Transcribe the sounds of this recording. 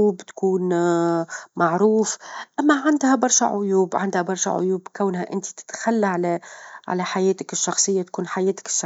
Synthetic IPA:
uːbt̪ḁkuːn | maʕɾuːfʔamːaʕand̪habɑɾˤʃa̰ʕʊjuːbʕa̰nd̪habɑɾˤʃa̰ʕʊ̰juːbkawnhaʔɪnt̪i̥t̪ɪ̥t̪xalːaʕalaʕa̰laħajeːt̪akɪʃːɑxsˤɨjːat̪ḁkuːnħajeːt̪ḁkɪ̥ʃːɑ

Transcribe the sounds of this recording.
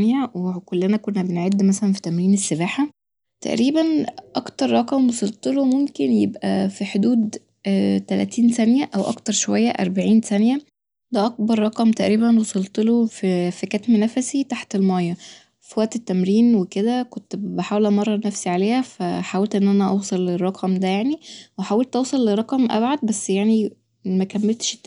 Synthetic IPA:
njæwekolːenækonːæbenʕed̪ːmæsælænfi̥t̪æmɾiːnesːebaːħa | t̪æ̰ʔɾiːbænʔɑkt̪ɑɾˤːɑqɑmbesˤelt̪ˤelomomkenjebʔæ̰fiħod̪uːd̪ | t̪ælæ̰t̪ʰiːnsænjæʔæwʔɑ̰kt̪ɑɾˤʃowæjːæʔɑ̰ɾˤbaʕiːnsænjæ | d̪æʔɑk̚bɑɾˤːɑqɑmt̪æʔɾiːbænwosˤelt̪ˤelofifikæt̪minæfæsit̪aħt̪elmɑjːɑ | fiwæʔt̪et̪ːæmɾiːnweked̪ækont̪beħawlæmɑrˤːɑnæfsiʕaleːhæfæħawælt̪ʔenːʔænæʔɑwsˤɑlːerˤːɑqʰɑmd̪æjaʕniwħawelt̪ʔɑwsˤɑlːerˤːɑqɑmʔæ̰bʕad̪̚bæsːjaʕni | mækæmːelt̪ʃ

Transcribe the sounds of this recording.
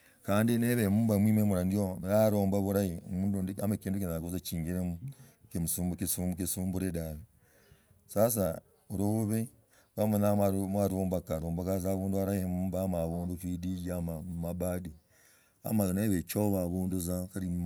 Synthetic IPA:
kaːndineβemuːmbamwiːmemuɾaniojaɾoːmbaβuɾaiomuːnduamakiːndukinakozat͡ʃiːŋɡiɾemukemusuːmbkesumukesuːmbuɾedaβe | sas̬a | ɾoβe | βamenamaɾmaɾoːmbakaɾoːmbakazaβuːnduaɾaimuːmbamaβoːndufidiɟamamabadi | a̰maneβet͡ʃoβaβoːnduzakaɾi

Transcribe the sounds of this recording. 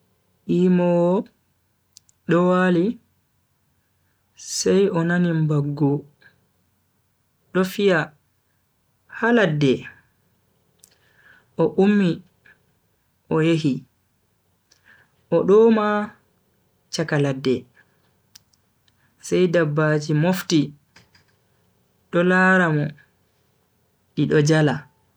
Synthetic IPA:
ʔiːmɔw | ɗɔwali | sɛjʔɔnanimbaɡːu | ɗɔfija | haladːɛ | ʔɔʔumːi | ʔɔjeɦi | ʔɔɗɔma | t͡ʃakaladːɛ | sɛjdabːaːd͡ʒimofti | ɗɔlaɾamɔ | ɗiɗɔd͡ʒala

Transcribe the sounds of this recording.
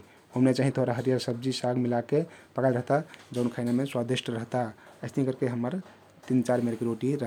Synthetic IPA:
ɦəmnet͡ʃaɦĩt̪ʰoɾaɦəɾijaɾsəb̚d͡ʒisaɡmilakepəkalɾəɦt̪ad͡ʒəʊnkʰajnameswad̪iʃʈɾəɦt̪aəɪsnikəɾkeɦəmːəɾ | t̪int͡ʃaɾmeɾkeɾoʈiɾəɦ

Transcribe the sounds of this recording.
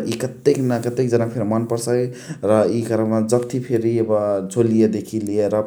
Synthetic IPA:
ikʌt̪ːeknakət̪ek̚d͡zənapʰeɾmənpəɾsəkɾʌikaɾəmad͡ʒʌbt̪ʰipʰeɾibʌt͡sʰolijed̪ekʰilieɾʌ

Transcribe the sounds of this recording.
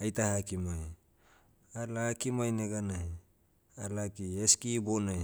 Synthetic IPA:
ajtahakimaj | alaːkimajneɡanaj | alakieskibonaj

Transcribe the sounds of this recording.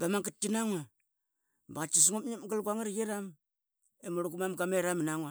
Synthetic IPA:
bamaŋkitːinaŋwa | baɣat͡ʃis̬ŋupɲimɡalɡʷaŋaɾjeɾam | emuɾuɡumamɡameɾaminaŋwa

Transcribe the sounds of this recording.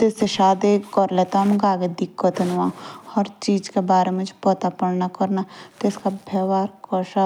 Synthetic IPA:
t̪eseʃaːd̪ekɔɾlet̪amɡaːɡed̪ɪkːət̪ɐnʋãhɐɾt͡ʃiːd͡ʒkebaːɾemẽd͡ʒpɔt̪apəɽnakɐɾnat̪ɪskabʱeːʋaːɾkɔʃa

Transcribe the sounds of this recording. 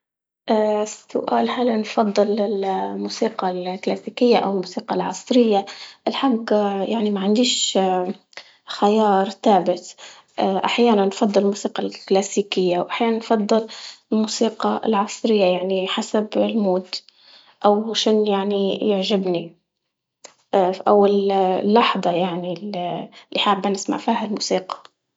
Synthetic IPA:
ʔasʊ̰ʔaːlhalnfɑd̪ˤːɨlɪlmuːsiːqɑlklasiːkɪjːaʔawɪlmuːsiːqɑlʕɑ̰sˤɾɪjːaʔɪlħaɡjaʕnimaʕand̪iːʃ | xajɑːɾˤθaːbɪt̪ | ʔaʔaħjaːnanːfɑd̪ˤːɨlmuːsiːqɑlklasiːkɪjːawʔaħjaːnanfɑd̪ˤːɨllmuːsiːqɑ̰lʕɑsˤɾɪjːajaʕniħasabɪlmuːd̪ | ʔawʃɪnjaʕnijɪʕʒɪbni | ʔawːallːɑħd̪ˤɑjaʕnillːiħaːbːanɪsma̰ʕfiːhalmuːsiːqɑ̥

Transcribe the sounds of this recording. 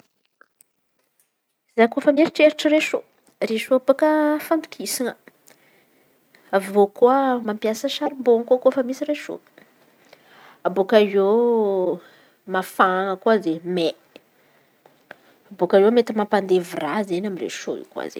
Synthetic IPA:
zakofəmeɾiʈ͡ʂeɾiʈ͡ʂəreʃo | reʃoapokəfand̪u̥kʰisiŋə | aokuəmampjasəʃaɾimboŋkokofəmisiɾeʃo̰ | abokaze | mafaŋəkwazeme | abokaewmet̪əmampand̪evirazenamirḛʃo̰ḭkwa̰zḛ

